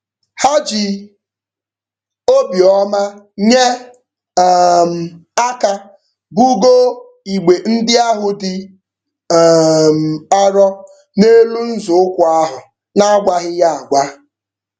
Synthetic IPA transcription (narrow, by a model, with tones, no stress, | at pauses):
ha˦d͡ʒɪ˨ | o˦bi˨ɔ˦ma˦ | ɲe˦˨ | m̩˨a˦ka˦ | bu˦ɡo˦ | i˨ɡ͡be˨n̩˦dɪ˦a˦ɦʊ˨dɪ˨ | m̩˨a˦ɾɔ˦ | ne˦lu˦n̩˦zʊ˨ʊ˦kʷʊ˨a˦ɦʊ˨ | na˦˨ɡʷa˦ɦɪ˦ja˦a˨ɡʷa˦